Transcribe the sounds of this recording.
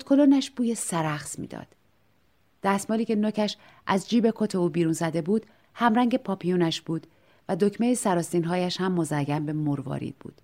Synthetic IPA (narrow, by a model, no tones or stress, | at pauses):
ot̪kʰolonæʃb̥uːjesæɾæxsmḭːd̪ɒ̰ːd̪̥ː | æsmɒːliːcʲʰe̞nocʰæʃ | ʔæzd͡ʒiːbe̞kʰot̪ʰe̞uːbiːɾuːnzæd̪e̞buːd̪̥ | hæmɾæŋɟe̞pʰɒːpʰijuːnæʃb̥uːd̪̥ | væd̪ocʰme̞jesæɾɒːst̪iːnɦɒːjæʃhæmːozæɡæmbe̞moɾvɒ̰ːɾḭːd̪̚bṵːd̪̥